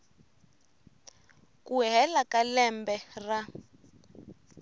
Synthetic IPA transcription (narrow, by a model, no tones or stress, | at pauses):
kuɦɛlakalɛmbɛra